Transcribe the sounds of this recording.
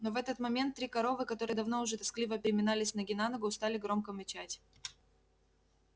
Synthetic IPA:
no̞vɛt̪ət̪mɐmʲe̞nt̪ːɾʲikɐɾo̞vɨkɐt̪o̞ɾɨjd̪ɐvno̞ʊʐɛt̪ɐsklʲivəpʲɪɾʲɪmʲɪnalʲɪsʲnəɡʲɪnanəɡʊst̪alʲɪɡɾo̞mkəmʲɪt͡ɕætʲ

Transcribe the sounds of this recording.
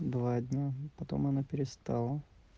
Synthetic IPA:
d̪vadʲnʲapɐt̪o̞̰mɐnapʲɪɾʲɪst̪ɑlˠə

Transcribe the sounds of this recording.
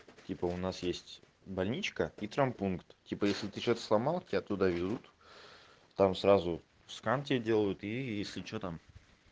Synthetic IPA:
tʲipəʊnasjesʲtʲ | bɐlʲnʲit͡ɕkəit̪ɾəmpunkt̪tʲipəjesʲlʲɪt̪ɨt͡ɕot̪ə̥slˠɐmalˠkʲɪaɐt̪ːud̪avʲɪd̪ut̪ | t̪amsɾazʊ | fskantʲɪdʲe̞lˠəjʊt̪ijesʲlʲɪt͡ɕot̪am

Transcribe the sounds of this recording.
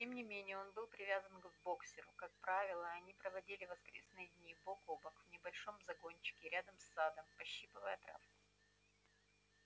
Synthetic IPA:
tʲe̞mnʲɪmʲenʲɪjəo̞nbɨlˠpɾʲɪvʲazənɡvbo̞ksʲɪɾʊ̰kak̚pɾavʲɪlˠəɐnʲipɾəvɐdʲilʲɪvɐskɾʲesnɨjd̪ʲnʲibokobəkvnʲɪbɐlʲʂo̞mzɐɡo̞nʲt͡ɕɪ̥kʲɪɾʲad̪əmsːad̪əmpɐɕːipɨvəjət̪ɾa̰fkʊ̥

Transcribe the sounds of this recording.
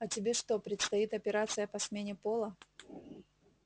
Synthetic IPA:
ɐtʲɪbʲe̞ʂt̪o̞pɾʲɪt̪st̪ɐit̪ɐpʲɪɾat̪sɨjəpɐsmʲenʲɪpo̞lˠə

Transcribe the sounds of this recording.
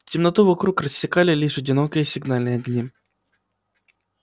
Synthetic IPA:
tʲɪmnɐt̪uvɐkɾukrəsʲːɪkalʲɪlʲiʂɐdʲɪnokəjəsʲɪɡnalʲnɨjɐɡnʲi

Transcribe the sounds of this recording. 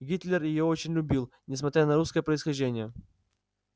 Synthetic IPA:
ɡʲit̪lʲɪrjɪjoot͡ɕɪnʲlʲʊbʲilˠ | nʲɪs̬mɐt̪ɾʲanɐɾuskəjəpɾəɪsxɐʒʲdʲenʲɪjə

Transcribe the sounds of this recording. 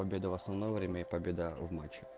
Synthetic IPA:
ɐbʲe̞d̪əvɐsnɐvnojvɾʲemʲəipɐbʲed̪əvmat͡ɕːɪ̥

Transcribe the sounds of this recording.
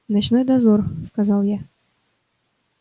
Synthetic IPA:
nat͡ɕnojd̪ɐzorskazɑlˠja

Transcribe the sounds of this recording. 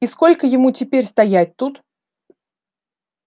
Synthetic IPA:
isko̞lʲkəjɪmutʲɪpʲeɾʲst̪ɐjæt̚ʲt̪ut̪

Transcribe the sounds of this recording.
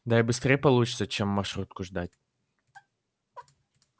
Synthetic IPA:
d̪aɪbɨst̪ɾʲejpɐlˠut͡ɕɪ̥t̪sət͡ɕemːɐrʂɾut̪̚kʊʐd̪atʲ

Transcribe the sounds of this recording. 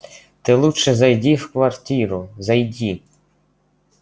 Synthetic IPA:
t̪ɪlˠuʃɛzɐjdʲiwkʋɐrtʲiɾʊzɐjdʲi

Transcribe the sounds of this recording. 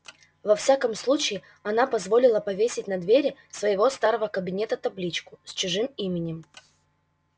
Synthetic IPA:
vɐfsʲakəmslˠut͡ɕɪː | ɐnapɐzvo̞lʲɪlˠəpɐvʲesʲɪtʲnɐd̪vʲeɾʲɪsvəjɪvo̞st̪aɾəvəkəbʲɪnʲet̪ət̪ɐblʲit͡ɕkʊsʲt͡ɕɪʐɨmimʲɪnʲɪm

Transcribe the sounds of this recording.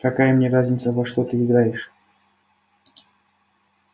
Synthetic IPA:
kɐkajəmnʲeɾazʲnʲɪt̪səvoʂt̪ot̪ɨɪɡɾajɪʂ

